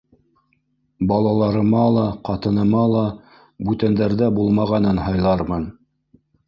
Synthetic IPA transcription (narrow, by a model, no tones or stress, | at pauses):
bɑlˠɑlˠɑɾɤ̆mɑlˠɑqɑt̪ɤ̆nɤ̆mɑlˠɑ | bʉt̪ænd̪æɾðæbulˠmɑʁɑnɤnhɑjlˠɑɾmɤn